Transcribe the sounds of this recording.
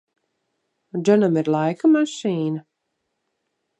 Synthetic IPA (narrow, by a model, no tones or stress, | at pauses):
d͡ʒɔnamiɾlˠajkamaʃiːna